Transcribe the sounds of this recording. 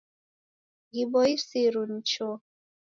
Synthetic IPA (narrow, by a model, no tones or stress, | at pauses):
ɣibɔisiɾun̩t͡ʃɔ